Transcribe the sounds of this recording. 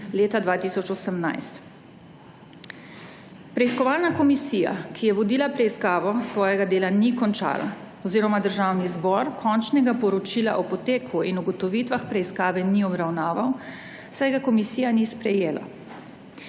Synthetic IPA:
leːt̪ad̪ʋaːt̪isɔt͡ʃɔsəmna̰jst̪ | pɾɛiskɔʋaːlnakɔmisija̰kʰijɛʋɔd̪iːlapɾɛiskaːʋɔsʋɔːjɛɡad̪eːlanikɔnt͡ʃa̰ːla̰ | ɔziːɾɔmad̪əɾʒaːwnizbɔɾkʰɔnt͡ʃnɛɡapɔɾɔt͡ʃila̰ʔɔpɔt̪eːkʰuinuɡɔt̪ɔʋiːt̪ʋaxpɾɛiskaːʋɛniɔbɾawnaːʋaw | sajɡakɔmisiːjanispɾɛjeːla̰

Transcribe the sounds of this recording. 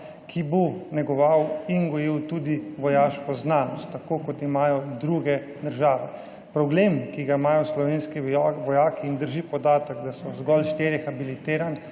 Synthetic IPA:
kʰibonɛɡɔʋawinɡɔjiwt̪ud̪iʋɔjaːʃkɔznaːnɔst̪ːakoːkɔt̪imaːjɔd̪ɾuɡɛ | d̪əɾʒaːʋɛ | pɾɔbleːmkiɡaimaːjɔslɔʋenskiʋɔjaːkiːnd̪əɾʒipɔd̪aːt̪əɡd̪asɔzɡɔlʃt̪eɾjɛxabilit̪eːɾan

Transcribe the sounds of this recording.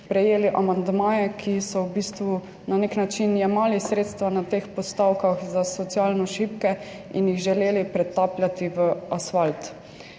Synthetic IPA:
pɾɛjeːliʔamand̪maːjɛkʰisɔwbiːst̪ʋu | naneknat͡ʃinjɛmaːlisɾeːt̪st̪ʋanat̪eːxpɔst̪awkaxzasɔt̪sijaːlnɔʃipkɛ | injiɣʒɛleːlipɾɛt̪aːpljat̪iʋəasfalt̪

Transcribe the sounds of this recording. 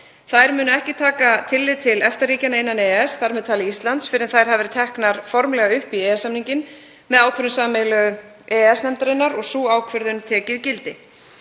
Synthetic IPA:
θajɾmʏːnʏɛhcɪt̪ʰaːkat̪ʰɪlːɪðt̪ʰɪlɛft̪ariːcanaejnːanɛɛsθaɾmɛðt̪ʰaːlɪist̪lant̪sfɪɾɪðθajɾ̥ɦavɛɾɪ̥t̪ʰɛhknaɾ̥fɔɾmlɛɣaʏhpiɛːɛsamniɲcɪn | mɛðaːwkʰvœɾðʏnsaːmɛlœ | ɛɛsnɛmt̪aɾɪnːaɾɔɣsuːaːwkʰvœɾðʏnt̪ʰɛːcɪðcɪlt̪ɪ

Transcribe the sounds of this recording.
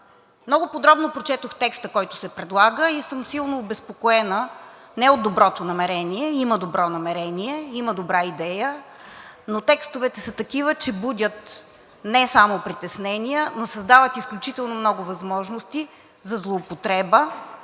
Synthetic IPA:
mnɔɡʊpod̪ɾɔbnopɾot͡ʃɛt̪oxt̪ɛkst̪əkɔjt̪ʊ̥sɛpɾɛd̪lˠaɡəisɤmsilˠnoːbɛspokoɛnə | nɛod̪d̪ːobɾɔt̪onɐmɛɾɛniɛiməd̪obɾɔnɐmɛɾɛniɛiməd̪obɾaid̪ɛjə | not̪ɛkst̪ovɛt̪ɛsɐt̪ɐkivət͡ʃɛbudʲət̪ | nɛsamopɾit̪ɛsnɛniənosɐzd̪avət̪isklʲut͡ʃit̪ɛlˠnomnɔɡʊvɐzmɔʒnost̪i | zɐzlˠoːpot̪ɾɛbə

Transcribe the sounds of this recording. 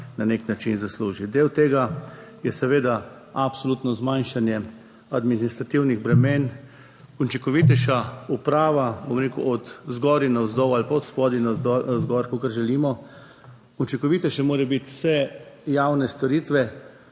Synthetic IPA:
naneknat͡ʃinzasluːʒid̪ewt̪eːɡajɛsɛʋeːd̪a | apsɔluːt̪nɔzmajnʃanjɛ | ad̪minist̪ɾat̪iwniɣbɾɛmeːn | unt͡ʃiŋkɔʋit̪ɛʃaupɾaːʋabomɾeːkṵʔɔt̪zɡɔɾinazd̪ɔwalpaɔt̪spɔd̪inaɔzɡɔɾkɔkaɾʒɛlimɔ | unt͡ʃiŋkɔʋit̪ɛʃɛmoːɾɛbit̪sɛjawnɛst̪ɔɾiːt̪ʋɛ

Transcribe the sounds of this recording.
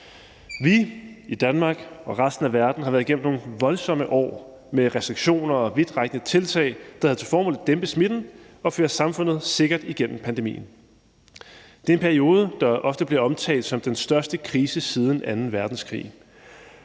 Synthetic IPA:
ʋiid̥ænmɑ̈ːɡ̥ɒ̽ʁɑsd̥n̩æʋæɐd̥n̩ɦɑ̈ʋæɐðˠiɡ̥ḛm̩no̝ŋʋɒ̽lsɒ̽m̰əʔɒ̰ː | meʁɛsd̥ʁiɡ̥ɕo̝̰ːnɐɒ̽ʋe̝d̥ʁɑɡ̥ənət͡sʰe̝lt͡sʰɛ̰ɪd̥ɑ̈hæð̩ˠt͡sʰe̝lfɒːmɔ̰ld̥emb̥əsmid̥n̩ | ɒ̽føːɐsɑ̈mfɔ̽nð̩ˠse̝ɡ̥ɐd̥iɡ̥en̰m̩pʰænd̥emḭːn̩ | d̥e̝ɐe̝npʰæɐio̝ːð̞ˠəd̥ɑ̈ʔɒ̽fd̥əb̥leɒ̽mt͡sʰɛ̰ːld̥sɒ̽md̥ensd̥ɶɐsd̥əkʰʁiːsəsiːð̞ˠn̩ænn̩ʋæɐd̥n̩skʰʁḭː

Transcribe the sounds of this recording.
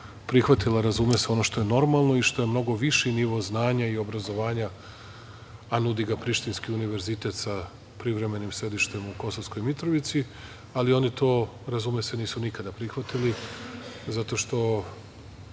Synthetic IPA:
pɾixʋat̪ilaɾazumeseo̞no̞ʃt̪o̞je̞no̞ɾmalˠno̞iʃt̪o̞je̞mno̞ɡo̞ʋiʃiniʋo̞znaːɲaio̞bɾazo̞ʋaːɲa | anud̪iɡapɾiʃt̪inskiuniʋe̞ɾzit̪e̞t̪sa | pɾiʋɾe̞me̞nimsɾe̞d̪iʃt̪e̞muko̞sosko̞jmit̪ɾoʋit̪si | alio̞nit̪o̞ːɾazumeseniːsunikad̪apɾixʋat̪ili | zat̪o̞ʃt̪o̞

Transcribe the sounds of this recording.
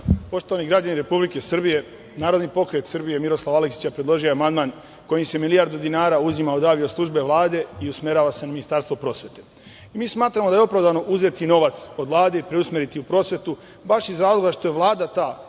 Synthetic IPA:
po̞ʃt̪o̞ʋaniɡɾad͡ʑaniɾe̞publike̞srbije̞ | naːɾo̞d̪nipo̞kɾe̞t̪sɨrbije̞miɾo̞slˠaʋaleksi̥t͡ɕapɾe̞d̪lˠo̞ʒijoeamand̪maːn | ko̞jimse̞milijaɾd̪ud̪inaːɾauzimaod̪aːʋioslˠuʒbe̞ʋlˠaːd̪e̞iusme̞ɾaːʋase̞naminist̪aːɾst̪vopɾo̞ːsʋe̞t̪e̞ | imiːsmaːt̪ɾamod̪ajeo̞pɾaʋd̪aʋno̞ʔuze̞t̪ino̞ʋat̪sod̪ʋlˠaːd̪e̞ipɾeusme̞ɾit̪iupɾo̞ːsʋe̞t̪u | baʃizɾaːzlˠo̞ɡaʃt̪ojeʋlˠaːd̪at̪aː

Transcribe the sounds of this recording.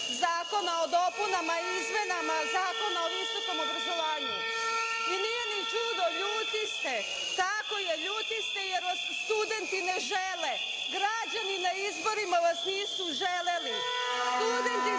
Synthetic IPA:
zaːko̞naod̪o̞punamaizme̞namazaːko̞naoist̪o̞ko̞mo̞bɾazo̞ʋaːɲu | iniːje̞nit͡ʃuːd̪o̞ʎuːt̪ist̪e̞ | t̪ako̞jeʎuːt̪ist̪ejeɾʋasst̪ud̪e̞nt̪ine̞ʒele | ɡɾad͡ʑaninaizbo̞ɾimaʋasniːsuʒeleli | st̪ud̪e̞nt̪i

